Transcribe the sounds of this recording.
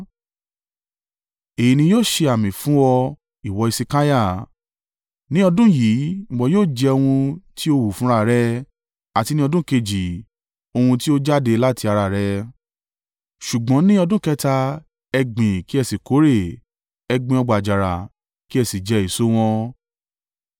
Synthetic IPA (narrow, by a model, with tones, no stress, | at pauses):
e˨ji˨˧nĩ˧joː˦˨ʃe˧a˨mĩ˨fũ˨˦wɔ˧ | i˨wɔ˨˧˦i˧si˧ka˦ja˦˨ | nĩ˦ɔ˧dũ˦jĩ˨˦ɡ͡bɔ˧joː˦˨d͡ʒɛ˧o˧hũ˧ti˦o˦wu˨fũ˨˦ɾa˦˨ɾɛ˦ | a˨ti˧nĩ˦ɔ˧dũ˦ke˧d͡ʒi˨ | o˧hũ˧ti˦o˦d͡ʒa˦de˧la˦ti˧a˧ɾa˧˨ɾɛ˧ | ʃu˨ɡ͡bɔ̃˨˦nĩ˦ɔ˧dũ˦kɛ˦ta˧ | ɛ˧ɡ͡bĩ˨ki˦ɛ˧˨si˨ko˨˦ɾe˦˨ | ɛ˧ɡ͡bĩ˧ɔ˧ɡ͡ba˨d͡ʒa˨ɾa˨ | ki˦ɛ˧si˨d͡ʒɛ˧˦i˨so˦w̃ɔ̃˦